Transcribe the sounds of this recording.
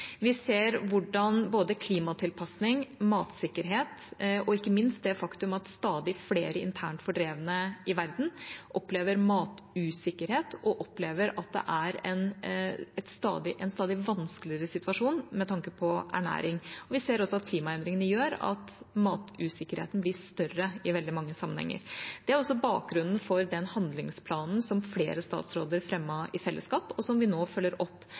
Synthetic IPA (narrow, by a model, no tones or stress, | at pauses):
ʋɪseːɾʋʊɖɑnboːd̪əkʰliːmɑt̪ʰɪlpʰɑsnɪŋmɑːt̪sɪkːəɾɦeːt̪ɔɪkːəmɪnst̪̚d̪ɛfɑkt̪ʉmɑt̪st̪ɑːd̪ɪfleːɾəɪ̰nt̪ʰæːɳʈfɔɖɾeːʋənəɪʋæɾd̪n̩ʔɔpleːʋəɾmɑːt̪ʉːsɪkːəɾheːt̪ɔʔɔpleːʋəɾɑt̪̚d̪ɛ̰ʔæɾɛnɛt̪st̪ɑ̰ːd̪ɪʔɛnst̪ɑːd̪ɪʋɑnskəlɪəɾəsɪt̪ʉʋɑʂuːnmɛt̪ʰɑŋkəpʰɔʔæ̰ɳæ̰ːɾɪŋɔʋɪseːɾɔsːɔɑt̪̚kʰliːmɑɛnd̪ɾɪŋənəjøːɾɑ̰t̪mɑːt̪ʉːsɪkːəɾhḛːt̪n̩blɪʂt̪œrəɪʋɛld̪ɪmɑŋːəsɑmːənɛ̰ŋːə̰ɾd̪̥ɛæɾɔsːɔbɑ̰ːk̚ɡɾʉnːn̩fɔɾd̪ɛnhɑnd̪lɪŋspʰlɑːnn̩sɔmflḛːɾəst̪ɑ̰ːt̪sɾoːd̪əɾfɾɛmːɑɪfɛlːə̰skɑːpɔsɔmʋɪnoːfœlːəɾʔɔpː